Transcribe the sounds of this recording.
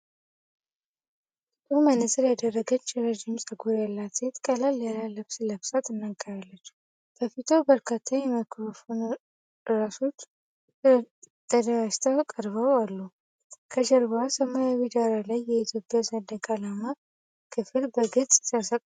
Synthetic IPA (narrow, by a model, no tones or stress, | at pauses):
tʼumənːəsəljad̪ərːəɡət͡ʃːɪɾəd͡ʒɪmsʼəɡoɾjalːat̪et̪kʼəlaljalaləfsləfsat̪ɨnːaɡəɾalːət͡ʃː | b̥ʰəfit̪ʰowbəɾkʰat̪ʰːaɲjɛməkʰɾofon | ɨɾasot͡ʃː | t̪əd̪aast̪ʰakʼəɾβəwalːu | kʰəd͡ʒəɾbasəmajawid̪aɾalajːɛit̪ʰjo̞pʼːjasəd̪əkʼalama | kʰɨflbəɡɨt͡sʼsəɾsa